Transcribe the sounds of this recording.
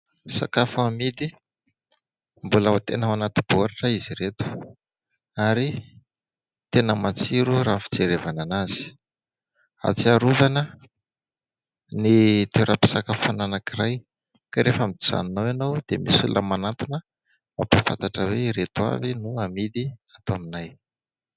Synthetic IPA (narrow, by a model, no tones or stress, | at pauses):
sa̰kafuamid̪i | mbulawat̪enəmanat̪ub̥uaɾaʈ͡ʂaiziɾet̪u̥ | aɾi | t̪enəmat͡siɾuraːfi̥d͡zeɾevananaz̥i̥ | a̰t͡siaɾuvanə | nit̪eɾʔapi̥sakəfananakiraj | kaɾʔefamiiz̥a̰ninowanowd̪̥emisululəmanat̪unə | mapafa̰nt̪aʈ͡ʂəweɾet̪ua̰vinuamid̪iat̪aminaj